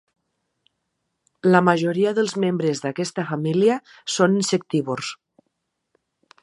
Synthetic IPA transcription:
lamaʒoɾiaðəlˠzmembɾezðakest̪afamilia | soninsek̚t̪iβors

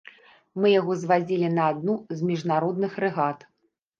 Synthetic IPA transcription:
mɨjaɣɔzvad͡zʲilʲinɐːd̪nuzmʲiʐnaɾɔd̪nɨxɾɨɣat̪

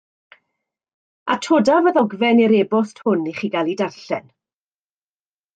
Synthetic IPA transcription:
a̰tʰoːdavəðɔɡvɛniɾeːbɔsthʊniχiːɡalˠidarɬɛ̰n

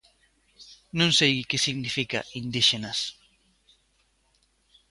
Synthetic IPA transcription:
nõŋsejkesiɣnifika̰ʔind̪iʃenɐs

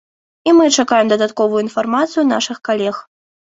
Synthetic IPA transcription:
imɨt͡ʂakajɛmd̪ɐd̪at̪kɔvujuinfarmat̪sɨjunaʂɨxkalʲɛx

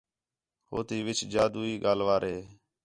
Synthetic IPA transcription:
ho̰ːt̪iːʋɪt͡ʃd͡ʒaːd̪uːiːɠaːlʋaːɾɦeː

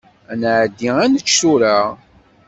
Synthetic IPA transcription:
ænʕd̪ːiænət͡ʃːuɾa

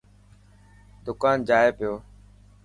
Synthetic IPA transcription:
d̪ʊkaːnd͡ʒaːeːpɪjoː

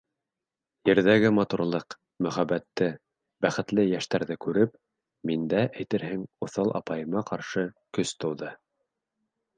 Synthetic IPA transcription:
jɘ̆ɾðæɡɘmɑt̪uɾlˠɤq | mɵ̆χæbæt̪ːɘ | bæχɘ̆t̪lɘjæʃt̪æɾðɘkʉɾɘp | mind̪æʔæjt̪ɘɾɦɘŋŏθɑlˠʔɑ̰pɑjɤ̆mɑqɑɾʃɤ | kɵst̪ŏwðɤ

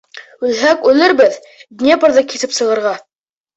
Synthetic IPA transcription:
ʉlɦækʉlɘɾbɘð | d̪nʲepɤ̆ɾðɤkiθɘpsɤ̆ʁɤ̆ɾʁɑ

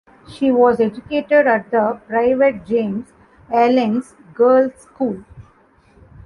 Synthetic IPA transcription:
ʃiːʋɔːzed͡ʒʊkeːʈeɖæʈ̚d̪əpɾaɪʋeʈ̚d͡ʒẽːmz | ælɪ̃ns | ɡəːlskuːl

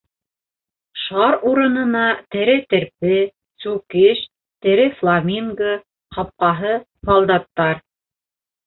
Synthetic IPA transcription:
ʃɑɾuɾɤ̆nɤ̆nɑt̪ɘ̆ɾɘt̪ɘ̆ɾpɘ | sukɘʃ | t̪ɘ̆ɾɘflˠamʲiŋɡə | hɑp̚qɑɦɤ | sɑlˠd̪ɑt̪ːɑɾ

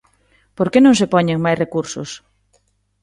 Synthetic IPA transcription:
poɾkenõŋs̬epɔɲeŋmajsrekuɾso̰s

